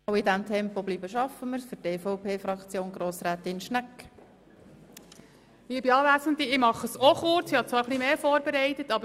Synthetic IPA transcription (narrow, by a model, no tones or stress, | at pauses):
wɪdæmt̪ʰɛmpɔb̥liːbəʃɑfəməɾsfʏɾteːfɔʊpʰeːfɾɑkt͡sjoːnɡɾoːsɾæːt̪ɪnʃnækː | iːbiɑːʋæːsənd̪iɪmɑχəsoχʊɾt͡sɪhɑt͡sʋɑːɾχlimeːfɔːɾbeɾɛɪtət̪ɑbə